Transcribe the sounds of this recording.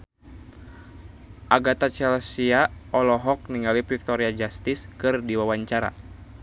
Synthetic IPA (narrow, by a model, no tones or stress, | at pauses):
ʔaɡat̪at͡ʃɛlsiaʔɔlɔɦɔk̚niŋalifik̚t̪ɔɾiad͡ʒast̪iskɨrdiwawaɲt͡ʃaɾa̰